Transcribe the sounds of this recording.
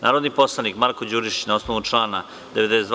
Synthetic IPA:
naːɾod̪nipo̞slˠanikmaɾkod͡ʑuɾiʃnaosnoʋut͡ʂlaːna | d̪eʋe̞d̪esed̪

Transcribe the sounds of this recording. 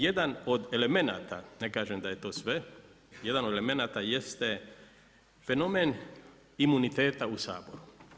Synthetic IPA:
jed̪ano̞d̪e̞le̞me̞na̰ːt̪a̰nekaːʒemd̪aje̞t̪o̞ːsʋe | je̞d̪anod̪eleme̞naːt̪ajest̪e | fe̞no̞meːn | imunit̪e̞ːt̪ausa̰ːbo̞ɾu

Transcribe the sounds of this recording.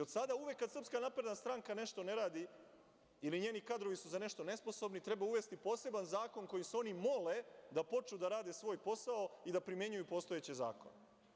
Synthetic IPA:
iod̪sad̪auʋekːad̪srpskanapɾe̞d̪nast̪ɾaŋkane̞ʃt̪o̞ne̞ɾaːd̪i | iliɲe̞ːnikad̪ɾo̞ʋisuzane̞ʃt̪o̞ne̞spo̞so̞bnit̪ɾe̞bauʋe̞st̪ipo̞ːse̞banzaːko̞nko̞jimseo̞nimo̞le̞d̪apo̞t͡ʃud̪aɾaːd̪esʋo̞ːjpo̞sao̞id̪apɾimje̞ɲujupo̞ːst̪o̞et͡ɕeza̰ːko̞̰ne

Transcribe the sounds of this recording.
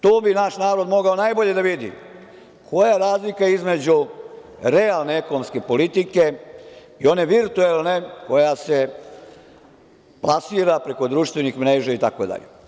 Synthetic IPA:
t̪oːbinaʃnaːɾo̞d̪mo̞ɡao̞najbo̞ʎe̞d̪aʋid̪ḭ | kʰo̞jaɾaːzlikaizme̞d͡ʑu | ɾe̞alˠne̞ekonomske̞po̞lit̪ike̞ | io̞ne̞ʋiɾt̪uelˠne̞ko̞jase̞ | plˠasiːɾapɾe̞ko̞d̪ɾuːʃt̪ʋenixmɾe̞ːʒait̪akod̪a̰ʎḛ

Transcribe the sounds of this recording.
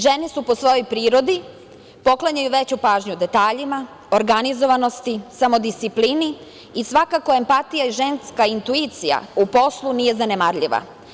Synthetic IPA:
ʒe̞nisupo̞sʋo̞jo̞jpɾiːɾo̞d̪i | po̞klˠaɲajuʋe̞t͡ɕupaːʒɲud̪e̞t̪aːʎima | oɾɡanizo̞ʋano̞st̪isamo̞d̪ist̪ipliːniː | sʋakako̞e̞mpat̪ijaiʒe̞nskaint̪uit̪sija̰upo̞slˠunije̞zanemaɾʎiʋa̰

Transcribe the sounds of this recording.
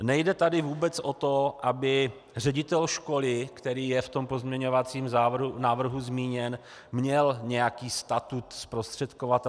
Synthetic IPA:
nɛjdɛt̪adɪvuːbɛt͡sʔo̞t̪oʔabɪ | r̝ɛɟɪt̪ɛlʃko̞lɪkt̪ɛɾiːjɛft̪o̞mpozmɲɛɲo̞vat͡siːmzanaːvr̩ɦuzmiːɲɛn | mɲɛlɲɛjakiːst̪at̪ut̪spɾost̪r̝̥ɛt̪kovat̪

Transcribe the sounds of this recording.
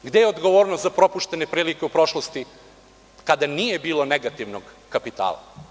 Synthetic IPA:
ɡd̪ejeod̪ɡo̞ʋoːɾnozapɾo̞puʃt̪e̞ne̞pɾiːlikeupɾo̞ʃlˠost̪i | kad̪anije̞biːlˠo̞neɡat̪iʋnoɡ | kapit̪a̰ːlˠa̰

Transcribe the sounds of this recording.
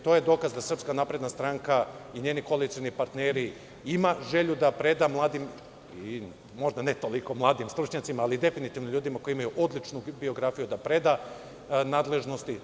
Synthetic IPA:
t̪oje̞d̪o̞ːkazd̪asr̩pskanaːpɾe̞d̪nast̪ɾaŋkaiɲe̞ːniko̞lit̪sijonipaɾt̪neɾi | imaʒe̞ʎud̪apɾe̞d̪amlˠaːd̪im | i | mo̞ʒd̪anet̪o̞liko̞mlˠaːd̪imst̪ɾut͡ʃɲat̪simaːlid̪e̞finit̪ivnoʎuːd̪imako̞jiimajuʔo̞d̪lˠit͡ʃnubio̞ɡɾafijud̪apɾe̞d̪a | naːd̪le̞ʒno̞st̪i

